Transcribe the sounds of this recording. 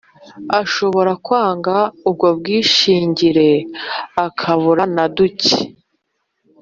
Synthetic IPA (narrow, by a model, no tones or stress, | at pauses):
aʃo̞βo̞ɾakwaːŋɡaub̚ɡo̞b̚ɡiːʃiːɲɟiɾe̞akʰaβuɾanaduce